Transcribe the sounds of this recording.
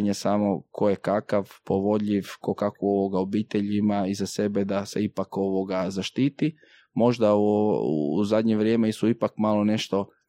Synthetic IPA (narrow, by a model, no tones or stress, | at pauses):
ɲesaːmo̞kʰo̞jekakaʋpo̞ʋo̞ʎiʋkokakuo̞ʋo̞ɡao̞biːt̪e̞ʎimaizase̞be̞d̪ase̞ipako̞ʋo̞ɡazaʃt̪iːt̪i | mo̞ʒd̪a̰ | uzad̪ɲeʋɾjeːmeist̪uipakmalˠo̞ne̞ʃt̪o̞